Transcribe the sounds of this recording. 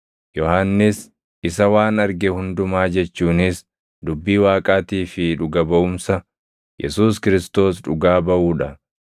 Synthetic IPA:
jɔhaːnːɪs | ɪsɐwaːnɐɾɡɛhʊnd̪ʊmaːd͡ʒɛt͡ʃːuːnɪs | d̪ʊbːiːwaːkʼaːt̪iːfɪᶑʊɡɐbɐʔʊmsɐ | jʔɛ̰suːskɪɾɪst̪o̞ːsᶑʊɡaːbɐʔuːᶑɐ

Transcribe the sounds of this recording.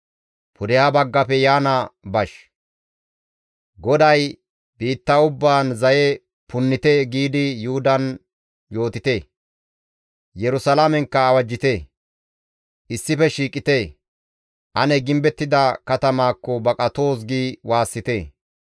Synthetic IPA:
pʊd̪ɛjaːbɐɡːɐpɛjaːnɐbɐʃ | ɡɔd̪ɐj | biːt̪ːɐʊbːaːnzɐjɛ | pʊnːɪt̪eɡiːd̪ɪjʊhʊd̪ɐn | jo̞ːt̪ɪt̪eː | jɛɾʊsɐlamɛŋkːɐːwɐd͡ʒːɪt̪e | ʔɪsːɪfɛʃiːkʼɪt̪eː | ʔɐnɛɡɪmbɛt̪ːɪd̪ɐkɐt̪ɐmaːkːɔbɐkʼɐt̪o̞ːs̬ɡiːwaːsːɪt̪eː

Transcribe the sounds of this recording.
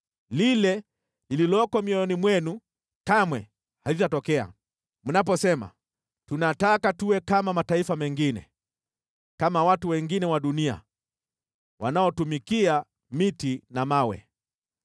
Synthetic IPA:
lilɛ | lililɔkɔmiɔɔnimwɛnu | kamwɛ | halitatɔkɛa̰ | munap̬ɔsɛma̰ | tunatakatuwɛkamamataifamɛŋɡinɛ̰ | kamawatuwɛŋɡinɛwaɗunia̰ | wa̰naɔtumikia | mitinamawɛ̰

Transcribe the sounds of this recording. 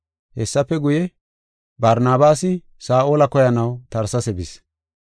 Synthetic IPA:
hɛsːɐpːɛɡʊjɛ | bɐɾnaːbaːsɪ | saːʔoːlɐkɔjɐnɐwt̪ɐɾsɐsɛbɪs

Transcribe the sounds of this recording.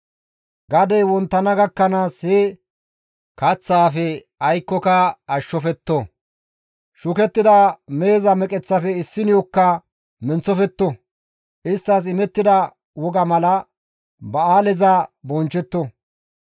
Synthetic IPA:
ɡɐd̪ɛjwɔnt̪ːɐnɐɡɐkːɐnaːshɛ | kɐt͡sːaːfɛ | ɐjkːɔkɐɐʃːɔfɛt̪ːɔ | ʃʊkɛt̪ːɪd̪ɐme̞ːzɐmɛkʼɛt͡sːɐfɛɪsːɪnjɔkːɐ | mɛnt͡sɔfɛt̪ːɔ | ʔɪst̪ːɐs̬ɪmɛt̪ːɪd̪ɐ | wɔɡɐmɐlɐ | bɐaːlɛzɐbɔnt͡ʃːɛt̪ːɔ

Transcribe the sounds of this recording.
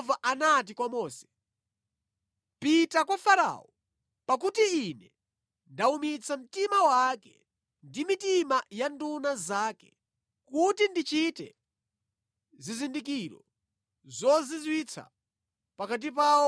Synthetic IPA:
vaʔanat̬ikwamɔːsɛ̥ | pitakwafaɾa̰ɔ | pak̬utiːnɛ | ndaumit͡sʰam̩timawakɛ̰ | ndimitimajandunazaːkɛ̥ | kutindit͡ʃitɛ̰ | zizindik̬iːɾɔ̰ | zɔzizwit͡sʰa̰ | pakat̬ipaɔ

